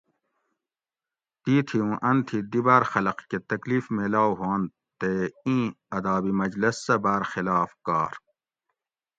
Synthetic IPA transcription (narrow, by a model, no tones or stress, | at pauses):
t̪iːt̪ʰiũʔɐnt̪ʰid̪ibaːɾxɐlɐqket̪ɐkliːfmelaːwɦuãːn | t̪eĩː | ɐd̪aːbimɐd͡ʑlɐsːɐbaːɾxilaːfkaːɾ